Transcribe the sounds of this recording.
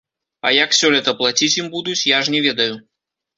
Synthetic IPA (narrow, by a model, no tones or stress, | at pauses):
ɐ̰jɐksʲɔlʲɛt̪ɐplˠat͡sʲit͡sʲjimbud̪ut͡sʲjaʐnʲɛvʲɛd̪ɐju